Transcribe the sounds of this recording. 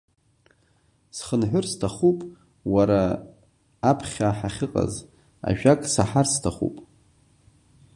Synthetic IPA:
sχənħʷʊrstʰaχupʼ | waɾaː | pʰχʲaħaχʲɪqʼa̰z | a̰ʒᶣakʼsaħarstʰaχṵpʼ

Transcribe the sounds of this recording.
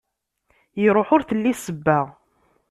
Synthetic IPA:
jəɾˤoħʊɾθəlːisəbːaʁ

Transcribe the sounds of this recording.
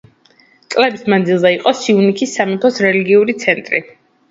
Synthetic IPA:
t̪sʼlɛbismand̪zilˠzaiqʼɔsiunikʰisːamipʰɔsɾɛliɡiuɾit̪sʰɛnt̪ʼɾḭ

